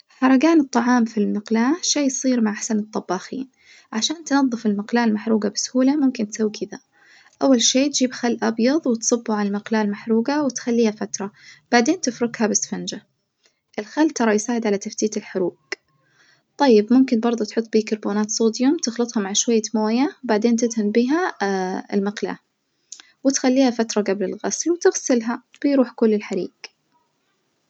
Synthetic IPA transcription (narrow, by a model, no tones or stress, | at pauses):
ħɑɾˤɑɡaːnɨt̪ˤːɑʕɑːmfilmɪqlaːʃaːjsˤiːɾmaʕʔaħasanɨt̪ˤːɑbːɑːxḭːn | ʕaʃaːnt̪nɑðˤːɨfɪlmɪqlaːlmaħɾuːɡabɪsʊ̥huːlamʊmkɪnt̪sawːikʰɪða | ʔawːalʃeːt̪d͡ʒiːbxalːʔɑbjɑðˤwɪt̪sˤɨbːuʕallmɪqlaːlmaħɾuːɡawɪt̪xalːiːhafat̪ɾˤɑb̥aʕd̪eːnt̪ɪfɾʊɡhabɪsfand͡ʒa | ʔɪlxalːt̪ɑɾˤɑjsaːʕɪd̪ʕalat̪aft̪iːt̪ɪlħʊɾuːɡ | t̪ˤɑjːɪbmʊmkɪnbɑɾˤd̪ˤʊt̪ħʊt̪ˤːbiːkɑɾˤboːnaːt̪sˤoːd̪jʊmt̪ɪxlɨt̪ˤhamaʕʃwajːamoːjabaʕd̪eːnt̪ɪd̪hambiːɦaɪ̰lmɪqla̰ː | wɪt̪xalːiːhafat̪ɾˤɑɡablɪlɣaslwt̪ɪɣsɪlɦab̥ɪjɾuːħkʊlːɪlħaɾḭːɡ